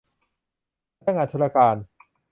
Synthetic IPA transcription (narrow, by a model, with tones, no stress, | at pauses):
aː˥˩ŋaː˧nt̪ʰu˧˥ɾa˧kaː˧n